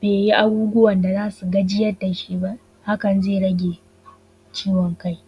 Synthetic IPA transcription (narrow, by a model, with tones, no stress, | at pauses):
b̥eː˨ji˦ʔa˦ɡuː˦ɡʷʊ˦wɐ˨nda˨zaː˦su˨ɡɐ˦d͡ʒɪ˦jɐ˦da˨ʃi˦ba˦ | ha˦kɐ˨nzeː˦˨ɽɐ˦ɡʲe˨ | t͡ʃiː˦wɔ˨ŋka˦j